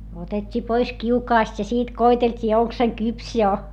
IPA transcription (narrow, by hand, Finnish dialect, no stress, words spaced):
otetʲːiː pois kiukɑːst jɑ siːt koiteltʲiː oŋk se kyps jo